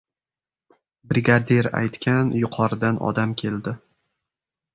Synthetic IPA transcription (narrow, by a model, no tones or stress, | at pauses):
bɾɪɡʲad̪eɾa̰jt̪kʲʰanjʊqʰɒɾɪd̪anɒ̰d̪amkʲʰe̞ld̪ɪ